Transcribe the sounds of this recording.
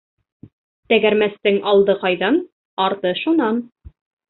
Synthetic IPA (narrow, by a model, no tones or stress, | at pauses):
t̪æɡæɾmæst̪ɘŋɑlˠd̪ɤqɑjðɑn | ɑɾt̪ɤʃunɑn